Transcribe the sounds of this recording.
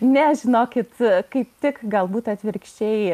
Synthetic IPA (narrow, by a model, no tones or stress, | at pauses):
nʲɛʒʲɪnoːkʲɪt̪kɐɪp̚t̪ʲɪkɡɐlˠbuːt̪ɐt̪ʲʋʲɪɾʲkʃʲt͡ʃʲɛɪ